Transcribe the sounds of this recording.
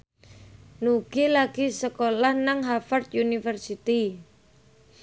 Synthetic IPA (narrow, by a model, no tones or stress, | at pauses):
nuɡ̥ilaɡ̥isəkolahnaŋɦafart̪junifərsit̪i